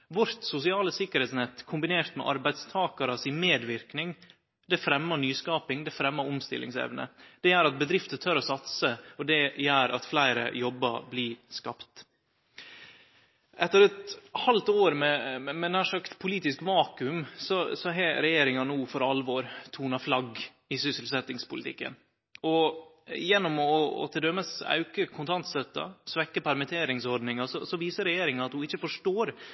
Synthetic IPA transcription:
ʋʊɾt̪sʊsɪɑːləsɪkːəɾhɛt̪snɛt̪ːkʰʊmbɪneːɾt̪mɛ̰ʔɑ̰ɾbæɪd̪st̪ʰɑːkɑɾɑsɪnmeːd̪ʋɪɾknɪŋ | d̪ɛfɾɛmːəɳyːskɑːpɪŋd̪ɛfɾɛmːəɾʊmst̪ɪ̰lʔɪ̰ŋsɛ̰ʋnə̰d̪̥ɛjæːɾɑt̪̚bəd̪ɾɪft̪ət̪ʰœɾɔsɑt̪səɔd̪ɛjæːɾʔɑ̰t̪flæɪɾə̰jɔbːə̰bliːskɑpt̪ | ʔɛt̪ːəɾɛt̪hɑlt̪oːɾmɛmɛnæːʂɭɑkspʰʊliːt̪ɪskʋɑːkʉmsɔsɔɦɛɾɛjeːɾɪŋɑnuːfɔɾɑlʋɔːɾt̪ʰuːnɑflɑɡ | ɪsʏsɪlsɛt̪ːɪŋspʊlɪt̪ʰɪ̰kːə̰n | ɔ | jɛnːɔmɔ̰t̪ʰɪld̪œməsɑ̰ʉkəkʰʊnt̪ʰɑnt̪sœt̪ːɑ̰sʋɛkːəpʰæɾmɪt̪ʰeːɾɪŋsɔɾɖnɪŋɑsɔ̰sɔʋiːsəɾɛjeːɾɪŋɑɑt̪hʊɪçːəfɔʂʈoːɾ

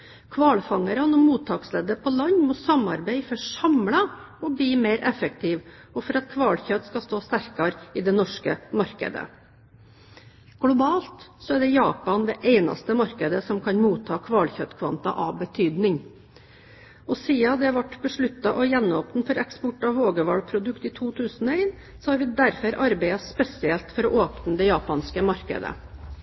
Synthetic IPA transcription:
kʰʋɑːlfɑŋəɾɑnɔmuːt̪ʰɑːksleːd̪əpʰɔlɑɲːmɔsɑmɑ̰ɾbæɪfɔsɑmlɑ | ɔbɽiːmeɪɾʔɛfəkt̪ʰɪʋ | ɔfɔɾɑt̪̚kʰʋɑːlçœt̪skɑst̪oːst̪æɾkɑɾɪd̪ɛnɔʂkəmɑɾkə̰d̪ə̰ | ɡ̥lʊbɑːlt̪sɔæɖɛjɑːpɑnd̪ɛʔeɪnɑ̰st̪əmɑɾkəd̪əsɔmkʰɑnmuːt̪ʰːɑːkʰʋɑːlçœt̪kʰʋɑ̰nt̪ɑ̰ʔɑbət̪ʰyːd̪nɪŋ | ɔsiːɑd̪ɛʋɑʈbəʂɭʉt̪ːɑʔɔjɛnːɔːpnfɔɾɛkspɔʈɑʋʋoːɡəʋɑ̰ɽpʰɾʊd̪ʉkt̪iːt̪ʰuːt̪ʰʉːsənɔæɪn | sɔhɑɾʋɪd̪æɾfœɾʔɑɾbæɪɑspɛsɪɛlt̪fɔɾɔʔoːpnəd̪ɛjɑːpɑnskəmɑɾkə̰d̪ə̰

